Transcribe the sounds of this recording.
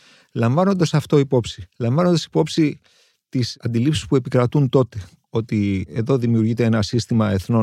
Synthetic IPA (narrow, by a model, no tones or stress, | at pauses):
lɐɱvɐno̞nd̪ɐsɐft̪o̞ipo̞psilɐɱvɐno̞nd̪ɐsi̥po̞psi | t̪isɐnd̪ilipsi̥spue̞pikɾɐt̪unt̪o̞t̪e̞ | o̞t̪ie̞ðo̞ðimiuɾʝit̪eenɐsist̪imɐe̞θno̞